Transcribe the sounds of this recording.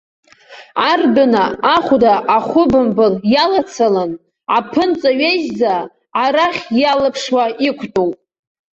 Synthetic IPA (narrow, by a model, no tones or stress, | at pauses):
ardʊnaaχʷdaʔːχʷʊbɨmbɨljalat͡sʰalan | apʰɨnt͡sʼaɥeʒza | aɾaχʲjalɨpʰʂwaikʷʰtʼowpʼ